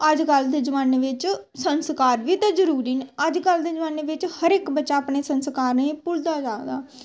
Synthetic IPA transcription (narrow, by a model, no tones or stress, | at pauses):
əd͡ʒkəld̪eːd͡ʒəʋaːneːʋɪt͡ʃsənskaːɾʋiːt̪aːzəɾuːɾiːneəd͡ʒkəld̪eːd͡ʒəʋaːneːʋɪt͡ʃhəɾɪkbət͡ʃaːpneːsənskaːɾnẽːpʊld̪aːd͡ʒaːɡd̪aː